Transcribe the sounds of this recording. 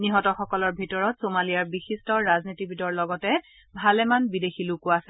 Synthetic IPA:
niɦɔtɔxɔkɔlɔɹbʱitɔɹɔtsomalijaɹbixistɔɹaznitibʱidɔɹlɔɡɔtɛ | bʱalɛmanbidexilukʊasɛ

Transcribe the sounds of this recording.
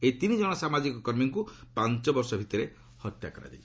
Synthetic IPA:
et̪inid͡ʒɔɽ̃ɔsamad͡ʒikɔkɔɾmiŋkupant͡ʃɔbɔɾsɔbʱit̪ɔɾe | hɔt̪ja̰kɔɾa̰d͡ʒa̰i

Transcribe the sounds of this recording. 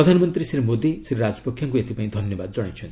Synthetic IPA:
ɾɔd̪ʱanɔmɔnt̪ɾisɾimod̪isɾiɾad͡ʒɔ̥pɔkʰjaŋkuet̪ʰipaĩd̪ʱʌnjɔbad̪̚d͡ʒɔɽ̃et͡ʃʰɔnt̪i

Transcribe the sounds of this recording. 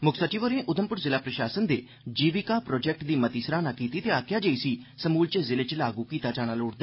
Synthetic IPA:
mʊkʰsət͡ʃiːʋəɾẽːʔʊd̪əmpʊɾzɪlaːpɾəʃaːsənd̪eː | d͡ʒiːʋiːkaːpɾɔːd͡ʒɛːk̚ʈd̪iːmət̪iːsɾaːnaːkiːt̪iːt̪eːaːkʰjaːd͡ʒəiːsiːsəmuːlt͡ʃəzɪleːt͡ʃlaːɡuːkiːt̪aːd͡ʒaːɽ̃aːloːɽd̪aː

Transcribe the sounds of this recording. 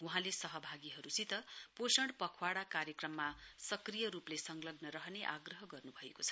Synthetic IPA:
wuɦãlesʌɦʌbʱaɡiɦʌɾusit̪ʌposʌɳpʌkʰwaɽakarjʌkrʌmːasʌkrijʌɾuplesʌŋlʌɡnʌɾʌɦʌneʔaɡrʌɦʌɡʌrnubʱʌekot͡sʰʌ̥

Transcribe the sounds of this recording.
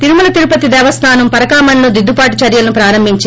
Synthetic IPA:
t̪iɾumulɐt̪iɾupɐt̪id̪ɛːʋɐst̪ʰaːnɐmpɐɾɐkaːmɐnlud̪id̪ːupaːʈut͡ʃɐɾjɐlɐnupɾaːɾɐmbʱiɲt͡ʃ

